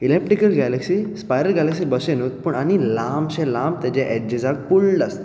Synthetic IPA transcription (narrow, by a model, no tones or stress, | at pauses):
ilep̚ʈɾikəlɡæleksispajɾəɾɡæleksibəsenot̪̚pəɳañilãmɕɛ̃lãmbt̪ɛt͡ɕẽʔɛd͡ʑd͡ʑed͡zak̚pulɖast̪a